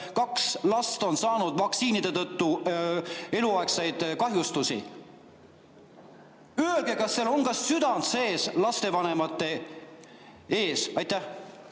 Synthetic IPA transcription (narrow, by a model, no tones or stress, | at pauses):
kɑkslɑst̪o̞nsɑːnud̪̥vɑksiːnid̪e̞t̪ɤt̪ːu | e̞luɑeksejd̪̥kɑɦjust̪usḭ | yelɡ̥e̞kɑsːelo̞nkɑsːyd̪̥ɑnse̞ːslɑst̪e̞vɑne̞mɑt̪ːˑe̞ | e̞ːsɑjt̪ːˑæh